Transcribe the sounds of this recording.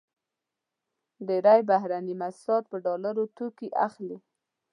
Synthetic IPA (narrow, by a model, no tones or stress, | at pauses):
d̪əɾajbaɦɾanimasɑt̪̚pəɖɑlaɾot̪ukiʔaxli